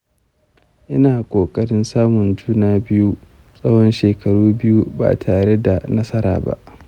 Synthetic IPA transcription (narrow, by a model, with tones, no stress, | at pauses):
ʔɪ˦naː˨kʷʼoː˨kʼɐ˦ɽɪ˦nsaː˦mʊ˨nd͡ʒuː˦naː˦bɪ˦ju˦ | sʼɐ˦whɔ˦nʃeː˨kɐ˨ɽuː˦bɪ˦ju˦ba̰ː˨tʰaː˨ɽe˦da˨nɐ˦sɐ˦ɾa̰ː˨ba̰˦˨ʔ